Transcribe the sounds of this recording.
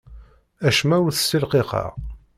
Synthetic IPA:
æʃmæwʊθəsːilqeqɑ̰ʁ

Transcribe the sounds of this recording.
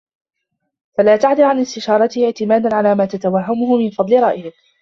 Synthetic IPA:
falaːt̪aʕd̪ɪlʕanɪst̪ɪʃɑːɾˤɑt̪ɪhɪʕt̪ɪmaːd̪anʕalaːmaːt̪at̪awaɦːamʊhʊmɪnfɑd̪ˤlɪɾˤɑʔɪhɪ

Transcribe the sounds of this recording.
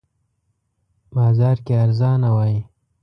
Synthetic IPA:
bɑːzɑːɾkeaɾzɑːnawɑːji

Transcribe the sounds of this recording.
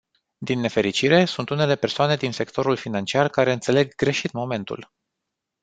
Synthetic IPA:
d̪inːe̞fe̞ɾit͡ʃiɾe̞sunt̪une̞le̞pe̞rsoane̞d̪inse̞kt̪o̞ɾulfinant͡ʃiarkaɾe̞ɨnt̪se̞le̞ɡɡɾe̞ʃit̪mo̞me̞nt̪ṵl

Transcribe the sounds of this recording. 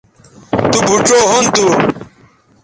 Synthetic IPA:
t̪ubʱuʈ͡ʂoːɦunt̪u

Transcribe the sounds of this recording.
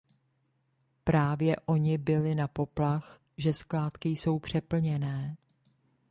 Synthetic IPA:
pɾaːvjɛʔo̞ɲɪbɪlɪnapo̞plax | ʒɛsklaːt̪kɪjso̞wpr̝̥ɛpl̩ɲɛnɛː

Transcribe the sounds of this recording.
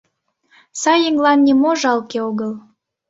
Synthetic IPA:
sɑjiŋɡlɑnːʲimoʒɑlkeoɣəl

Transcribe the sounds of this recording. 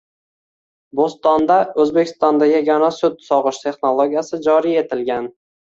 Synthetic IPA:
bost̪ɒnd̪aɵzbekʲʰɪ̥st̪ɒnd̪ajʲaɡʲɒnasʊd̪sɒʁɨʃt̪ʰe̞χnolˠoɡʲijasɪd͡ʒɒɾije̞t̪ʰɪlɡʲan

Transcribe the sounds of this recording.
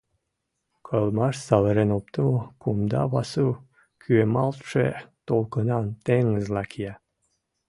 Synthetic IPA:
kʰɤlˠmɑʃsɑlɤɾenop̚t̪əmokumd̪ɑ̰βɑsu | kʰyemɑlˠt̪ʃet̪olˠkɤ̆nɑnt̪eŋəzlˠɑkʰijɑ

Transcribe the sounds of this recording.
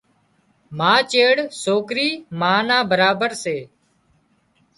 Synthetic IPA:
mãːt͡ʃeːɽsoːkɾiːmãːnãːbəɾaːbəɾseː

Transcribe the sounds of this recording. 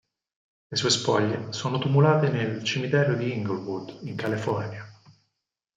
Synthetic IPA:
lesuːespɔʎːesoːnot̪umulaːt̪enelt͡ʃemit̪ɛːɾod̪iiŋɡolvud̪iŋkalifɔrnja

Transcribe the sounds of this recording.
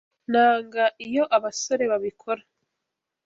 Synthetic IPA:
naːŋɡaʔijo̞ʔaβaso̞ɾe̞βaβikʰo̞ɾa

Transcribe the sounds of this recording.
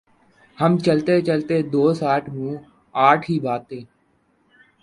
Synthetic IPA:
həmt͡ʃəlt̪eːt͡ʃəlt̪eːd̪oːsaːʈʰmũː | aːʈʰɦiːbaːt̪eː

